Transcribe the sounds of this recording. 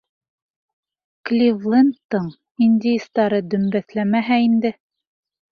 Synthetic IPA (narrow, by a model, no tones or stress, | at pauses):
klʲivlˠent̪ːɤɴ | inʲd̪ʲɪjist̪ɑɾɤd̪ɵ̆mbæθlæmæɦæind̪ɘ